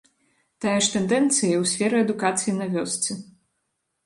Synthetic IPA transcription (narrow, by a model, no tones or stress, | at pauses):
t̪ajɛʂt̪ɛnd̪ɛnt̪sɨjɐwsʲfʲɛɾɨɛd̪ukat̪sɨjinɐvʲɔst̪sɨ